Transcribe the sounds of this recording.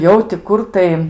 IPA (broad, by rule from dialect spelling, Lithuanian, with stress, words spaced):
ˈjɛʊ tʲɪ ˈkʊr tɐɪ